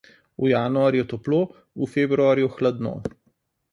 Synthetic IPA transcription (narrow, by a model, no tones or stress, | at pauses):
ujanuaɾjɛt̪ɔploː | ufeːbɾuaːɾjuxlad̪no̰